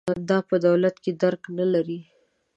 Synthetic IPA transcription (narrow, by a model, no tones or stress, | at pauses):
d̪ɑpəd̪awlat̪ked̪aɾknalaɾi